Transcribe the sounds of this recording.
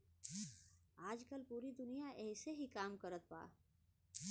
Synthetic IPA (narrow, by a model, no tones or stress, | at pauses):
aːd͡ʒkəlpuːɾid̪ʊnijaʔɛɦseɦikaːmkəɾət̪̚pa̰ː